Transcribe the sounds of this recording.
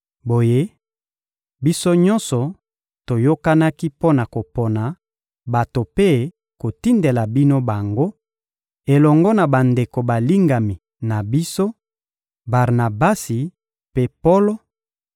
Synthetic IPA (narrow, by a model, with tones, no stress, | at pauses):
bo˨je˦ | bi˦so˦ɲɔ̃˦nsɔ˨ | to˨jo˦ka˦na˦ki˦po˦na˨ko˨po˨na˨ | ba˨to˨pe˦ | ko˨ti˦nde˨la˨bi˦no˦ba˨ŋɡo˦ | e˨lɔ˨ŋɡɔ˦na˨ba˨nde˨ko˨ba˨li˦ŋɡa˨mi˨ | na˨bi˦so˦ | ba˨ʁna˨ba˦si˨ | pe˦po˦lo˦